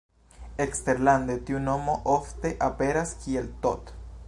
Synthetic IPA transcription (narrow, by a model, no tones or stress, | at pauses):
ekst̪eɾland̪et̪iunomoʔoft̪eʔapeɾaskielt̪ot̪